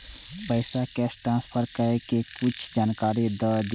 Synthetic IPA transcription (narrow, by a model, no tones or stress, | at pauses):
pəɪsakɛːsʈɾãnspʰəɾkəɾekekʊt͡ʃʰd͡ʒaːnkaːɾid̪əld̪